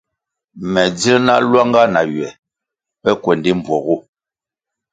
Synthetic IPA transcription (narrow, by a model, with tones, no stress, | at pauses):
mɛ˨d͡zi˦na˦lwa˦ŋɡa˦na˨jɥɛ˨ | pɛ˦kwɛ˨ndi˦m˨bwɔ˨ɣu˦